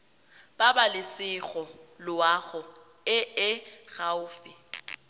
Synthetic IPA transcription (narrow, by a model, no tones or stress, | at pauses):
b̥abalɪsɪɣɔlʊaɣʊ | ɪɪɣaʊːfɪ